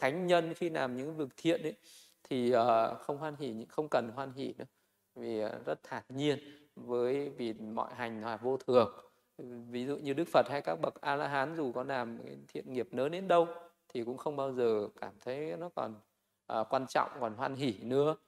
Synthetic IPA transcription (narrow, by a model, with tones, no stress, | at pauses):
t̪ʰa˨˦jŋ̟ɲə˧nxi˧laː˨˩mɲɨ̰˧˥ŋvɨ˨˩ək̚t̪ʰḭ˧˨ənʔə˨˦j | t̪ʰi˨˩ʔəː˨˩xə˧wŋ͡mhwaː˧nɦi˧˩ɲɨ̰˧˥xə˧wŋ͡mkə˨˩nɦwaː˧nɦi˧˩nɨ̰˧˦ | vi˨˩˨zə˦˥t̚t̪ʰaː˨˩ɲi˧ən | vəː˨˦jvi˨˩mɔ̰˧˨jɦa˨˩jŋ̟lwaː˨˩vo˧t̪ʰɨ˨˩əŋ | vi˨˦zṵ˧˨ɲɨ˧ɗɨ˦˥k̚fə˨˩t̚ha˧jkaː˦˥k̚ɓə˨˩k̚ʔaː˧laː˧ɦaː˨˦nzu˨˩kɔ˨˦laː˨˩mka˨˦jt̪ʰḭ˧˨ənŋi˨˩əp̚nəː˨˦ne˨˧˦nɗə˧wt̪ʰi˨˩kʊ̰˧˥ŋ͡mxə˧wŋ͡mɓaː˧wzəː˨˩kaː˧˩mt̪ʰə˨˦jnɔ˨˦kɔ̰˨˩n | ʔəː˨˩kwaː˧nt͡ɕɔ̰˧˨wŋ͡mkɔ˨˩nɦwaː˧nɦi˧˩nɨ̰˧˥ə